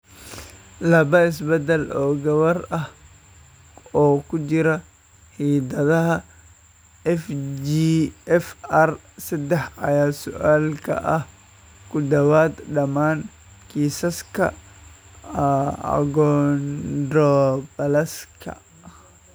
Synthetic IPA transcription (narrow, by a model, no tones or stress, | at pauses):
lɐβɐɪs̬bɛd̪ɛlɔːɡɐβɐrɐh | ɔːkʰʊt͡ʃɪɾɐ | hiːd̪ɐðɐɦɐ | ɛfd͡ʒiːɛfɐr | sɐd̪ɛħɐ̰jaːsʊ̰ʔaːlkʰɐ̰ʔɐh | kʰʊd̪ɐwaːd̪ɖɐmaːn | kʰiːsɐskʰɐ̰ | ɐ̰ɡɔndɔbɐlɐskʰɐ̰